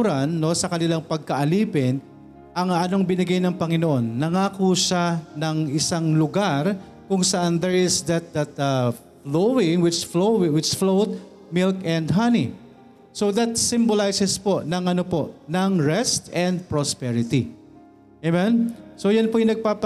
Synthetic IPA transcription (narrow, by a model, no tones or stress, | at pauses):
ɾɐnːo̞sɐkɐnɪlaŋpɐɡ̚kɐʔɐliːpɪn | ʔɐŋɐnoŋbɪnɐɡajnɐŋpɐŋɪnoʔo̞nːɐŋaːkʊʃanɐŋʔɪsaŋlʊɡaɾ | kʊŋsɐʔand̪ɛɹʔɪsd̪ɐt̪̚d̪ɐt̪ɐ | flowɪŋwɪt͡ʃflowɪwɪt͡ʃflowt̪̚ | mɪlkɛnd̪ɦɐnḭ | sod̪ɐt̪̚sɪmbolajsɛspo̞ʔnɐŋʔɐno̞po̞ʔnɐŋɹɛst̪ɛnd̪̚pɹospɛɹɪt̪i | ɛmɛnsojanpojnɐɡ̚paːp